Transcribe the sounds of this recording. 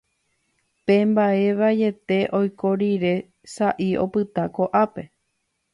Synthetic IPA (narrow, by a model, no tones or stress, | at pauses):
pẽ̞mbaeʋaje̞t̪e̞ʔo̞jko̞ɾiɾe̞ | saʔio̞̰pɨt̪ako̞ʔape̞